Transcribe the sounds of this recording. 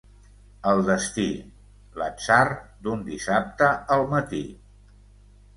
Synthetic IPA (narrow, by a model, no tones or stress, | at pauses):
əlˠd̪əst̪i | lə̰sard̪und̪isap̚t̪əəlˠmət̪i